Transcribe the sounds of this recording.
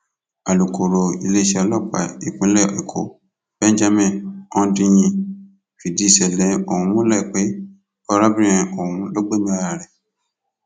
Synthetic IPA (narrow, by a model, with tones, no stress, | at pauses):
a˨lu˨ko˨ɾo˨i˧le˦˨ʃɛ˧lɔ˦˨k͡pa̰˨i˨k͡pũ˨˦lɛ˦˨i˨kʰo̰˨˦ | b̥ɛ̃˦n˦d͡ʒa˦mɛ̃˦˨ɔ̃˦˧˦dĩ˧j̃ĩ˧ | fi˨di˨˦˨sɛ˨lɛ̃˨o˨hũ˨˦mũ˦lɛ˦˨k͡pe˨˦ | ɔ˧ɾa˦bĩ˦ɛ̃˧o˨hũ˨˦lo˦ɡ͡bo˦nã˦ɾa˨ɾɛ˨